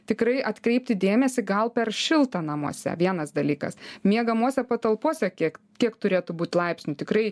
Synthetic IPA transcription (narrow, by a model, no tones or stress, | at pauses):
t̪ʲɪkɾɐɪʔɐt̪kɾʲɛɪp̚ʲt̪ʲɪd̪ʲeːmʲɛsʲɪɡɐlˠpʲɛrʃʲɪlˠt̪ɐnɐmuɔsʲɛ̰ʋʲiɛnɐsd̪ɐlʲiːkɐ̰smʲiɛɡɐmuɔsʲɛpɐt̪ɐlˠpuɔsʲɛkʲik | kʲiɛkt̪ʊɾʲeːt̪ʊbuːt̪ʲlˠɐɪpʲsʲnʲʊt̪ʲɪkrɐɪ